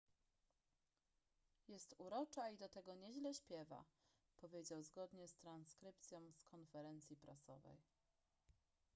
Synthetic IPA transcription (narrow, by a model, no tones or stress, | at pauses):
jɛst̪uɾɔt͡ʂaid̪ɔt̪ɛɡɔɲɛʑlɛɕpʲjɛva̰ | pɔvʲjed͡ʑawzɡɔd̪ɲɛst̪ɾanskɾɘp̚t̪sʲjɔ̃w̃skʰɔnfɛɾɛnt̪sʲjipɾasɔ̰vɛ̰j